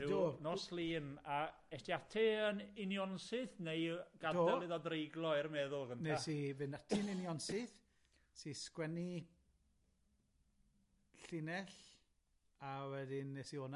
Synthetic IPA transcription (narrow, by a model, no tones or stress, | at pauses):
ɪdonɔslˠiːna | ɛstiatʰɪənɪnjɔnsɨθnejɡ̥adoɛlˠɪðɔdrejɡlˠɔɪrmɛðʊlˠɡənnteasivɨnatʰɪnɪnjɔnsɪθ | siskwɛni | ɬɪnɛɬ | awɛdɪnːesioːna